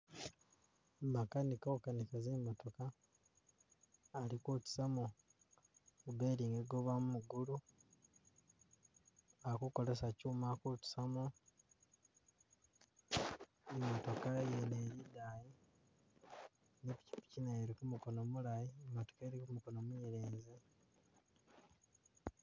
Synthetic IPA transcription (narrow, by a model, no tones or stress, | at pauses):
makanikakanikazeːmːoto̞ka | likutu̥samo | kubeːɾiŋɡeɡoβamumuɡulu | akuko̞lesacuːmakutu̥samo | emːoto̞kajeneɾidaːji | nepi̥ci̥pi̥cinajeɾikumuko̞nomulajiemːoto̥keɾikumuko̞nomwiiɾeːnze